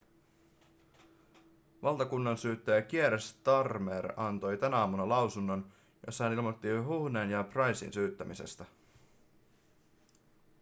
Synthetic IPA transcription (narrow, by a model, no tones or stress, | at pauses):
ʋɑlˠt̪ɑkunːɑnsyːt̪ːæjæk̟ieɾest̪ɑrmeɾɑnt̪o̞jt̪ænæɑːmunɑlɑwsunːo̞n | josːɑhænilmot̪ːiɦuhneːnjɑprɑjsḭnsyːt̪ːæmise̞̰st̪æ